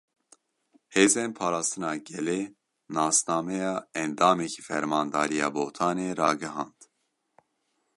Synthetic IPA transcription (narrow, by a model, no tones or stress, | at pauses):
heːzenpʰɑːɾɑːst̪ɨnɑːɡɛleː | nɑːsnɑːmɛjɑːɛnd̪ɑːmɛkʰi̥ːfɛɾmɑːnd̪ɑːɾijɑ̰ːboːt̪ʰɑːneːɾɑːɡɨɦɑːnd̪̥